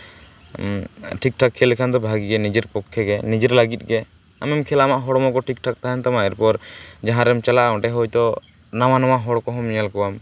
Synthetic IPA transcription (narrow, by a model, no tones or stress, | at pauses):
ʈʰik̚ʈʰakʰːɛlɛkʰand̪ɔbʱaɡiɡɛnid͡ʒɛɾpɔkʰːɛɡɛnid͡ʒɛɾlaɡit̪̚ɡɛ | a̰mɛmkʰɛlaamaʔɦɔɽɔmɔkɔʈʰik̚ʈʰak̚t̪aɦant̪amaɛɾpɔɾd͡ʒaɦãɾɛmt͡ʃalaʔaɔ̃ʈɛɦɔjt̪ɔ | nawanamaɦɔɽkɔɦɔmɲɛlkɔwam